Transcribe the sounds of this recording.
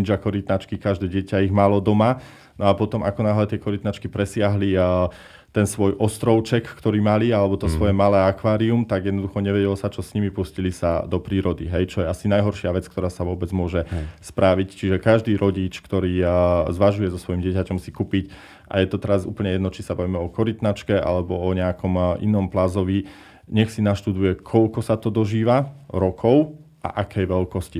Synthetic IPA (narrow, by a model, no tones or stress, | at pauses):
id͡ʒakɔɾit̪nat͡ʃkikaʒd̪ɛːɟɪɛcaiɣmalɔd̪ɔma | nɔapɔt̪ɔmakɔnaːɦlɛt̪ɪɛkɔɾit̪nat͡ʃkipɾɛsɪaɦli | t̪ɛnsʋɔjʔɔst̪ɾɔʊt͡ʃɛkkt̪ɔɾiːmalialɛbɔt̪ɔsʋɔjɛmalɛːakʋaːɾiumt̪aɡjɛd̪nɔd̪uxɔɲɛʋɛɟɛlɔsat͡ʃɔsɲimipuscilisa̰d̪ɔpɾiːɾɔd̪iɦɛjt͡ʃɔjɛasinajɦɔɾʃɪaʋɛt͡skt̪ɔɾaːsaʋɔbɛd͡zmʊɔʒɛspɾaʋict͡ʃiʒɛkaʒd̪iːɾɔɟit͡ʃkt̪ɔɾiːzʋaʒujɛzɔsʋɔjimɟɪɛcacɔmsikupic | ʔa̰jɛt̪ɔt̪ɛɾazṵːpl̩ɲɛjɛd̪nɔt͡ʃisabaʋiːmɛɔkɔɾit̪nat͡ʃkɛʔa̰lɛbɔɔɲɛakɔmʔinɔmplazɔʋi | ɲɛxsinaʃt̪ud̪ujɛkʰɔʎkɔsat̪ɔd̪ɔʒiːʋaɾɔkʰɔʊ | ʔa̰ʔakʰɛjʋɛlkɔsci